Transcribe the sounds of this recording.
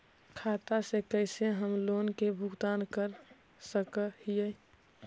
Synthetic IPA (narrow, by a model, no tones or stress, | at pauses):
kʰaːt̪asekəɪseɦəmloːnkebʱʊɡt̪aːnkəɾ | səkəhijɛ